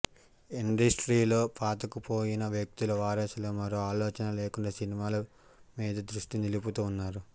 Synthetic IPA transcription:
iɳɖɐsʈɾiːlo̞ːpaːt̪ɐkupo̞ːjinɐʋjɐk̚t̪ilɐʋaːɾɐsɐloːmɐɾoːaːloːt͡ʃɐnɐle̞ːkuɳɖɐsinimaːlɐ | miːd̪ɐd̪ɾuʂʈiniluput̪uːnːaːɾu

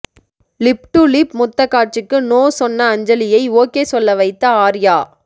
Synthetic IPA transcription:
lɪp̚ʈulipmʊt̪ːɐkːaːʈ̚t͡ʃɪkːɯnoːsɔnːɐːɲd͡ʒɐlɪjɐɪoːkeːsɔlːɐʋɐɪt̪ːɐaːɾjaː

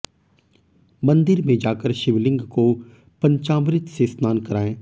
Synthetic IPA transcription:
mɐ̃nd̪ɪɾmẽd͡ʒaːkəɾʃɪʋlɪ̃ŋɡko | pɐɲt͡ʃãːmɾɪt̪sesmaːnkɐɾaːẽː

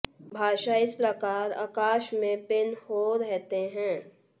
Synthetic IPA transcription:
bʱaːʃaɪspɾɐkaːɾa̰ːkaːʃmẽpɪnhoːɾɛɦt̪eɦɛ̃ː

